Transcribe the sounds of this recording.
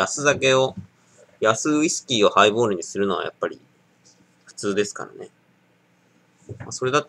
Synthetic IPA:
asɨzake̞o̞ | jasɨisɨ̥kʲiːo̞haibo̞ːɾɯ̟ɲ̟isɨɾɯ̟no̞β̞a̰ja̰pːaɾʲḭ | ɸɯ̟̥t͡sɨːd̪e̞sɨ̥ka̰ɾa̰ne̞ | maso̞ɾe̞d̪at̪

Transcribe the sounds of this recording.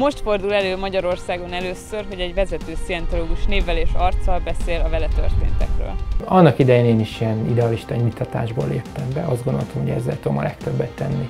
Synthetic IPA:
mo̞ʃt̪fo̞rd̪ulɛløːmɒɟɒɾo̞rsaːɡo̞nɛløːsørɦo̞ɟɛɟvɛzɛt̪øːsiɛnt̪o̞loːɡuʃneːvːɛleːʃɒrt̪sɒlbɛseːlɒvɛlɛt̪ø̰rt̪ḛːnt̪ɛ̰krø̰ːlɒnːɒkid̪ɛjeːneːniʃiɛnid̪ɛɒliʃt̪ɒimit̪ʰːɒt̪a̰ːʒbo̰ːlḛːpt̪ɛmbɛʔɒzdɡond̪olt̪ɒmhoɟɛ̰zːɛ̰lt̪ud̪o̰mɒ̰lɛk̚t̪øbːɛt̪ːɛ̰nːi

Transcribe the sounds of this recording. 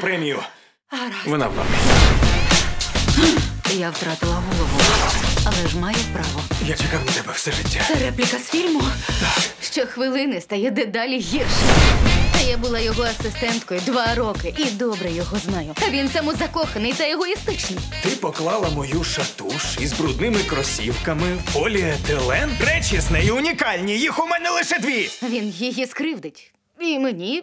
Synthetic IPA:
pɾɛmʲijʊ | ɾaʋɔna̰wna̰mɛ | jawt̪ɾɑt̪ɪlˠɐɦɔlˠɔʋʊɐlˠɛʒmɑjɛpɾɑʋɔjat͡ʃɪkawnɐt̪ɛbɛwsɛʒɪtʲːasɛɾɛplʲɪkɐsfʲilʲmʊt̪akʃt͡ʃɔxʋɪlˠɪnɪst̪ɐjɛd̪ɛd̪ɑlʲiɦʲirʃɪjt̪ɐjabʊlˠɑjɔɦɔɐsɪst̪ɛnt̪kɔjʊd̪ʋɑɾɔkɪʔid̪ɔbɾɛjɔɦɔznɑjʊɐʋʲint̪sɛmʊzɐkɔxɐnɪjt̪ɐjɔɦɔist̪ɪt͡ʃnɪjt̪ɪpɔklˠɑlˠɐmɔjuʃɐt̪uʃizbɾud̪nɪmɪkɾɔsʲḭwkɐmɪpɔlʲit̪ɛlˠɛnpɾɛt͡ʃisnɛiʊnʲikɑlʲnʲijixʊmɛnɛlˠɪʃɛd̪ʋʲiɐʋʲinjijiskɾɪwd̪ɪtʲ | imenʲi

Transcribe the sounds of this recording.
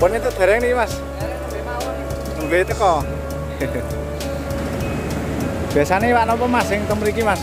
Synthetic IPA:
pʊnit̪ʊʔd̪̥a̤ɾɛŋnikimas | nuleit̪əkɔ | b̥iasanewaʔnɔpɔmasɪŋt̪əmɾikimas

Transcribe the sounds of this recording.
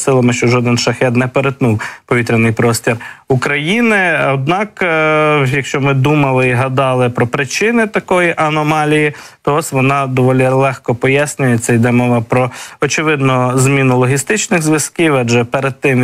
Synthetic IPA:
sɪlˠɐmɪʃt͡ʃɔʒɔd̪ɪnʃɐxɛt̪nɛpeɾet̪nuwpɔʋʲit̪ɾʲɪnɪjpɾɔsʲtʲirukɾɐjinɪɐd̪̚nɑk | jɐkʃt͡ʃɔmɪd̪umɐlˠɪiɦɐd̪ɑlˠɪpɾɔpɾɪt͡ʃɪnɪt̪ɐkɔjiʔɐnɔmɑlʲijit̪ɔɔsʲʋɔnɑd̪ɔʋɔlʲilˠɛxkɔpɔjasʲnʲʊjɛt̪sɛjd̪ɛmɔʋɐpɾɔɔt͡ʃɪʋɪd̪nʊzmʲinʊlˠɔɦʲist̪ɪt͡ʃnɪɣzʋjɐskiwɐd͡ʒɛpeɾed̪̚t̪ɪm

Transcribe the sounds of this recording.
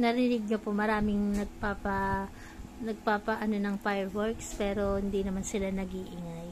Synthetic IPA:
nɐɾɪnɪɡ̚ɲopomɐɾaːmɪŋnɐɡ̚paːpɐ | nɐɡ̚paːpɐʔɐno̞nɐŋfajɛɹwɛɹkspɛːɾo̞hɪnd̪inɐmansɪlanɐɡiʔɪŋaj

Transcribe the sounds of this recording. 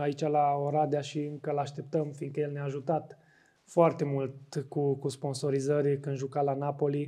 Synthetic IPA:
ait͡ʃalaoɾad̪eaʃiɨŋkəlaʃt̪e̞p̚t̪əmfiŋɡkəje̞lneaːʒut̪at̪ | foart̪e̞mult̪kukuspo̞nso̞ɾizərʲkɨnd̪ʒukalanapo̞li

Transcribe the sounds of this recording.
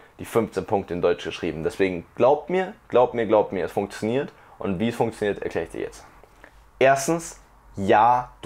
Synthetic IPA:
d̥iːfʏnft͡senpʰʊŋk̚təɪndɔʏt͡ʃɡ̥əʃʁ̥ḭːbm̩dɛsv̥eːɡŋ̩ɡ̥laʊp̚tmiːɐɡ̥laʊp̚tmiːɐɡlaʊp̚tmiːɐɛsfʊŋkt͡sjoniːɐt | ʔʊntv̥iːsfʊŋkt͡sjoniːɐtɛɐkleːɐɪçd̥ḭɐ̰jɛ̰t͡st | ʔeːɐstn̩s | jaːd̥

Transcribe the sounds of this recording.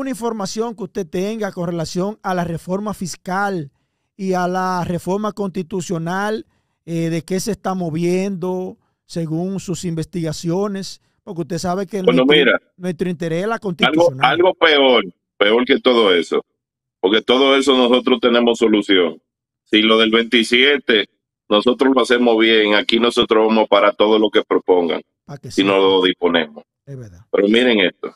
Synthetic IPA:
unaiɱfo̞ɾmasjo̞ŋkeust̪e̞t̪e̞ŋɡako̞nre̞lasjo̞ŋalare̞fo̞ɾmafiskal | ialare̞fo̞ɾmako̞nst̪it̪usjo̞nal | eðe̞ke̞se̞ːst̪amo̞βje̞nd̪o̞ | se̞ɣuŋsusimbe̞st̪iɣasjo̞ne̞s | poɾk̬eust̪e̞saβekenenomiɾa | nwe̞st̪ɾoint̪e̞ɾeslako̞nst̪ialɣoonaalɣo̞pe̞oɾ | pe̞o̞ɾke̞t̪o̞ðo̞e̞so̞̰ | po̞ɾke̞t̪o̞ðoe̞so̞no̞so̞t̪ɾo̞st̪e̞ne̞mo̞sːo̞lusjo̞ŋ | silo̞ðe̞lβe̞nt̪isje̞t̪e̞ | no̞so̞t̪ɾosloase̞mo̞zβje̞ŋakinoset̪ɾoβemospaɾat̪o̞ðolo̞ke̞pɾo̞po̞ŋɡa̰ŋ | pakessinoloðispo̞nḛmos | esβeɾðapeɾo̞miɾe̞ŋest̪o̞̰

